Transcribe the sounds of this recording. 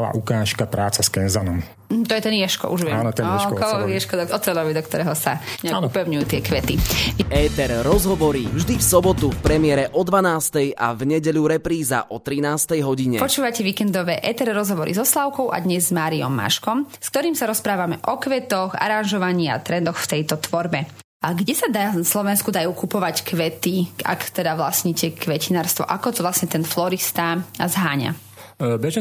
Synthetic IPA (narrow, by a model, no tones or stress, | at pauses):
la̰ːʔukaːʃkapɾaːt͡saskɛnzanɔm | m̩t̪ɔjɛt̪ɛnjɛʃkɔ̰ʔuʒʋɛaːnɔt̪ɛkɔɔjɛʃkɔd̪ɔɔt̪ɛlɔʋid̪ɔkt̪ɔɾɛːɦɔsa̰ɲaankupɛʊɲujuːt̪ɪɛkʋɛt̪iɛːt̪ɛɾːɔzɦɔʋɔɾivʒd̪ifsɔbɔt̪ufpɾɛmɪɛɾɛʔɔd̪ʋanaːst̪ɛja̰vɲɛɟɛʎuɾɛpɾiːza̰ʔɔt̪ɾinaːst̪ɛjɦɔɟiɲɛpɔt͡ʃuːʋacɛʋiːkɛnd̪ɔʋɛːʔɛt̪ɛɾɾɔzɦɔʋɔɾḭzɔslaʊkɔʊʔa̰d̪ɲɛzːmaːɾiɔ̰mːa̰ʃkɔmskt̪ɔɾiːmsaɾɔspɾaːʋamɛʔɔkʋɛt̪ɔɣa̰ɾanʒɔʋaɲiːa̰t̪ɾɛnd̪ɔxft̪ɛjt̪ɔt̪ʋɔɾbɛ | aɡɟɛsad̪anaslɔʋɛnskud̪ajuːkupɔʋackʋɛt̪ia̰kt̪ɛd̪aʋlasɲiːcɛkʋɛcinaːɾst̪ʋɔ̰ʔakɔt̪ɔʋlasɲɛt̪ɛnflɔɾist̪azɦaːɲa̰ | bɛʒ